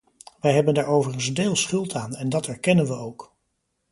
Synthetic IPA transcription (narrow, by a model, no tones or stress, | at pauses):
ʋɛjɦɛbəndaːɹowvərənzdeːlˠsχɵlˠtʰaːnɛndɑtɛɹkɛnənʋəowk